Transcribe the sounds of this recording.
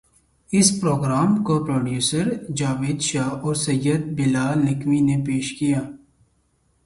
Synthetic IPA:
ɪspɾoːɡɾaːmkopɾoːɖjuːsəɾd͡ʒaːʋeːd̪ʃaːɦɔːɾsəjəd̪̚bɪlaːlnɪkʋinepeːʃkijaː

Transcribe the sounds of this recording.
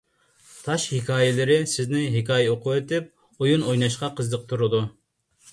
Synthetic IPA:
t̪ʰɑʃhikʰɑːjɪlɪɾɪsɪznɪɦɪkʰɑːjɛoqʰʊet̪ɪp̚ | ojunojnɑʃqɑqʰəzd̪əq̚t̪ʰuɾɨd̪u

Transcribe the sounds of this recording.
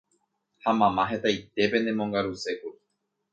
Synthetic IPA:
hamãmãɦe̞t̪ait̪e̞pẽ̞nd̪ẽmõŋɡaɾuseku

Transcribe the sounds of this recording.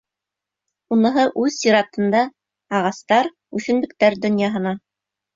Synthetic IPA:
unɤ̆ɦɤʔʉðsiɾɑt̪ɤ̆nd̪ɑ | ɑʁɑst̪ɑɾ | ʉθɘ̆nbɘ̆k̚t̪æɾd̪ɵ̆njɑɦɤ̆nɑ

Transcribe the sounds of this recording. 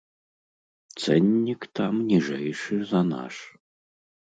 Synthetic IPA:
t̪sɛnʲːikt̪amnʲiʐɛjʂɨzɐna̰ʂ

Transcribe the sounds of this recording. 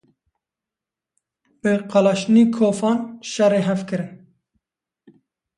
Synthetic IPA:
bɨqɑlɑʃniːkʰoːfɑːnʃɛreːɦɛfkɨɾɨn

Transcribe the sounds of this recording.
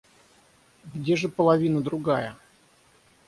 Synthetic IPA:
ɡdʲeʐɨpəlˠɐvʲinəd̪ɾʊɡajə

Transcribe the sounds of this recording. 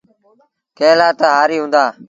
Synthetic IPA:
kẽːlaːt̪əɦaːɾiːɦũːnd̪aː

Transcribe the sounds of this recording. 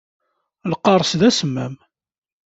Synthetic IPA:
lqːɑɾˤsðæsəmːæm

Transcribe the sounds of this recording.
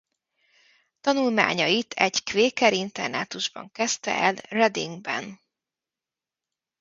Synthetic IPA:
t̪ɒnulma̰ːɲɒjit̪ʰɛɟkveːkɛɾint̪ɛrnaːt̪uʒbɒ̰ŋkɛst̪ɛ̰ʔɛlrɛd̪ḭŋɡbɛ̰n

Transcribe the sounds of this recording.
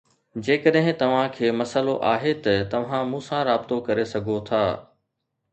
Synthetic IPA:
d͡ʑeːkəɗɦɪ̃t̪ɐʋ̤ãkʰeːmɐsəloʔaːɦet̪ɐt̪ɐʋ̤ãmũːsãɾaːbɪt̪okɐɾesɐɡʱot̪ʰaː

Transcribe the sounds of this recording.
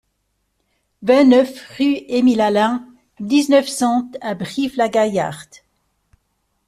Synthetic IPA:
vɛ̃nœfʁyemilalɛ̃ | d̪iznœfsɑ̃t̪abʁivlaɡaja̰ʁt̪

